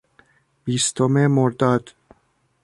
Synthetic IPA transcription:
biːst̪ʰomemoɾd̪ɒd̪̥

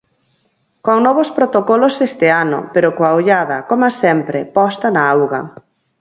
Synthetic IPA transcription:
koŋnɔβ̞ospɾot̪okɔlosest̪eano̰peɾokoaoʎað̞ɐkomasɛmpɾepɔst̪ɐnaawɣɐ

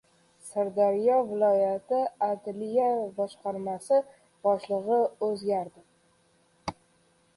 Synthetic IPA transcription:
saɾd̪aɾjɒvɪlˠɒjat̪ʰɪad̪lijabɒʃqɑɾmasɪ | b̥ɒʃlˠɨʁɨɵzɡʲaɾd̪ɪ

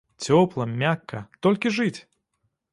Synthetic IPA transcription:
t͡sʲɔplˠɐmʲakːɐt̪ɔlʲkʲiʐɨt͡sʲ

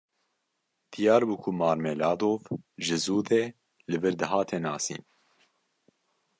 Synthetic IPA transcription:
d̪̥ijɑːɾbukʰumɑːɾmelɑːd̪oːvʒɨzuːd̪eː | lɨvɨɾd̪ɨɦɑːt̪ʰeːnɑːsḭːn

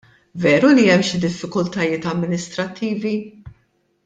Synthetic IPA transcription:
vɛːɾuliɛmːʃid̪ɪfːɪkʊlt̪ɐjɪːt̪ɐmːɪnɪst̪ɾɐt̪ʰːiːvi

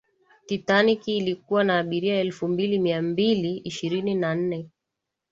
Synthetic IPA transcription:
titanikiːlik̚uwanaːɓiɾiaɛlfumbilimiambiliiʃiɾininan̩nɛ

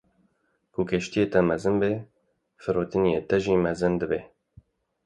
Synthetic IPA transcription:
kukʰeʃt̪ijeːt̪ɛmɛzɨnbe | fɨɾoːt̪ɨnijet̪ɛʒiːmɛzɨnd̪ɨbeː

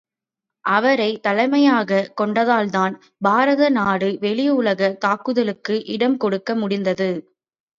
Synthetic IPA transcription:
ʔɐʋɐɾɐɪt̪ɐlɐɪmɐjaːɣɐkɔɳɖɐðaːlðaːn | baːɾɐðɐnaːɽɯʋɛɭɪjʊɭɐɣɐt̪aːkɯðɐlɯkːɯʔɪɽɐmkɔɽɯkːɐmʊɽɪnd̪ɐðɯ

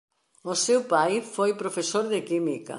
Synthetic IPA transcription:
ʊsewpajfojpɾofesoɾðɪkimikɐ̰

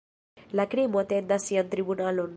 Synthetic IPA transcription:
lakɾimot̪ed̪asiant̪ɾibunalon

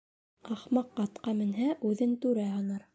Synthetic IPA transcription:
ɑχmɑqːɑt̪qɑmɘ̆nɦæʔʉðɘnt̪ʉɾæhɑnɑɾ

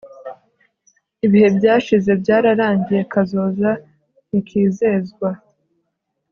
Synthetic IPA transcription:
iβihe̞bɟaːʃize̞bɟaːɾaɾaːɲɟije̞kazo̞ːza | nikʰiːzeːzɡwa

